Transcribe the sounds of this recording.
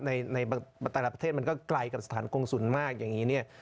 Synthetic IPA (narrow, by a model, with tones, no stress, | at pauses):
na˧jna˧ja˧t̪ɛ˨˩la˨˩pɾt̪ʰeː˥˩ma˧nkɔː˥˩kla˧jka˨˩p̚sḁ˧t̪ʰaː˩˦nko˧ŋsu˨˩˦nmaː˥˩k̚ja˨˩ŋːiː˦˥ni˥˩ɐ